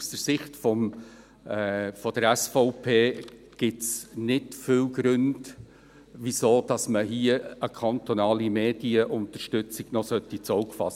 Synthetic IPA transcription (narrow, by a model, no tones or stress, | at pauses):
usd̥əɾsɪχtfɔm | fɔd̥əɾæsfɔʊpʰeː | ɡ̥ɪtsnɪtfɪwɡɾɵnd | ʋisoːd̥ɑsməɦiəəkʰɑntɔnɑːlimeːd̥iəʔʊnt̪əɾʃtʏt͡siɡ̥nɔsœtːit͡sɔʊkfɑ̰s